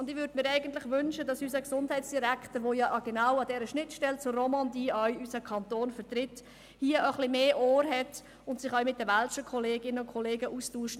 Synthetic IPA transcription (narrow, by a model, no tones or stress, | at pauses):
ʊndɪʋʏɾdmɪːɾɛɪɡəntlɪχʋʏnʃədɑsysəksʊndhɛɪtsd̥iɾæktəɾʋoːjɑʔɑɡ̥ɛnawɑdɛːɾəʃnɪtʃtɛlt͡sʊrɔmɑndiːɑɥysəkʰɑntoːnfəɾtrɪt | hiəʔəχlɪmeːʔoːɾɦɛt | ʊntsɪχœɥmɪt̚dəʋalʃəkʰɔleːɡɪnəʊnkʰɔleːɡəʔustuːʃt